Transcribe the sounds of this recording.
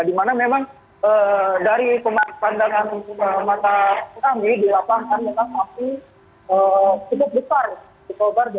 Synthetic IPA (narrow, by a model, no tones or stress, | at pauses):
dimanamemaŋ | ədaɾipəmapandaŋanəmat̪akamidilapaŋkanmemaŋapi | ət͡ʃuk̪ʊp̚bəsar | ɔkobard͡ʒa